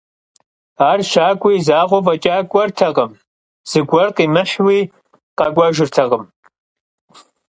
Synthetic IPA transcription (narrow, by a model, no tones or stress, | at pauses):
aːrʃaːkʷʼiːzaːʁʷɔvɐt͡ʃʼaːkʷʼɐrtʰɐʁəm | z̥ɨɡʷɐrqiːmɨħwiː | qɐɡʷʼɐʒɪrtʰɐʁəm